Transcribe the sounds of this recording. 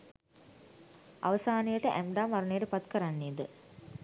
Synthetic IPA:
a̰ʋəsaːnijəʈəʔæmɖaːmʋaɾənejəʈəpat̪kəɾanːeːd̪ə

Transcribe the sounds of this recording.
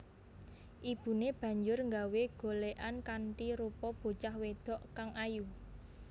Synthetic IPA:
ʔib̥ṳneb̥ä̤ɲd͡ʒʊrŋɡaweɡ̥o̤leʔankaɳʈiɾupɔb̥o̤t͡ʃahwed̪̥ɔ̤ʔkaŋaju

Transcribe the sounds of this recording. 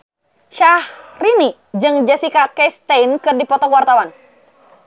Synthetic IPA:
ʃahrini | d͡ʒɨŋd͡ʒasikakɛst̪ɛjnkɨrdipɔt̪ɔkuwart̪awan

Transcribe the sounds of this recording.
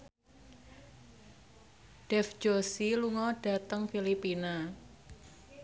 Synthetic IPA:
ɖ̥ɛfd͡ʒosiluŋɔɖ̥a̤t̪əŋfilipina

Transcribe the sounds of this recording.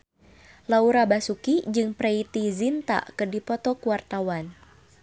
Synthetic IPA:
lauɾabasukid͡ʒɨŋpɾeit̪izint̪a̰ʔkərdipɔt̪ɔkuwart̪awan

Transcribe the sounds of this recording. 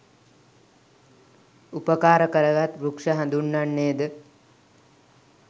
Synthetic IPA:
upəkaːɾəkəɾəɡat̪ɾukʂəɦãnd̪unːaɳːeːd̪ə

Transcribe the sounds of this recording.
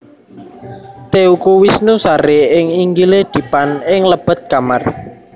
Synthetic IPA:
t̪eukuwisnusaɾeɪŋiŋɡiled̪̥i̤panɪŋləb̥ə̤t̪̚kamar

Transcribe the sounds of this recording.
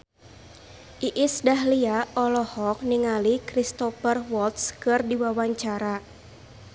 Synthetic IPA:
ʔiʔɪsdaɦliaʔɔlɔhɔk̚niŋalikɾist̪ɔfərwɔlt̪skɨrdiwawaɲt͡ʃaɾa

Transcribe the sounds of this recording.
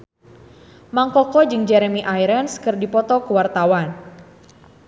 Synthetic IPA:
maŋkɔkɔd͡ʒɨŋd͡ʒɛɾɛmiʔajɾɛnskɨrdipɔt̪ɔkəwart̪awan

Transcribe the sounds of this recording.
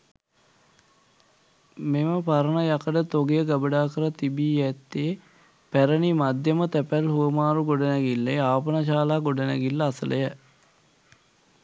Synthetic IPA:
meməpaɾənəjakəɖət̪oɡejəɡəbəɖaːkəɾət̪ibiːjɛt̪ːeː | pæɾənimad̪jəmət̪æpælɦuʋəmaːɾuɡoɖənɛɡilːeaːpənaʃaːlaːɡoɖənɛ̰ɡilːəːsəlʔə̰jə

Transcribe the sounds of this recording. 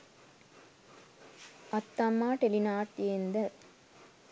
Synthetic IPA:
ɐt̪ːɐmːaːʈelinaːɾt̪jend̪ɐ

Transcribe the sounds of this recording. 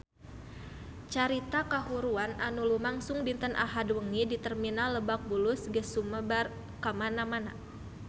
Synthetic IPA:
t͡ʃaɾit̪akaɦuɾuananulumaŋsʊŋdint̪ənʔa̰ɦadwəŋidit̪ərminaləbak̚bulusɡəsuməbar | kamanamana̰

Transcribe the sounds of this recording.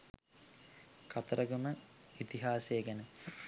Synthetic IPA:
kʰat̪ɐɾəɡəməit̪iɦaːseːɡɛnə

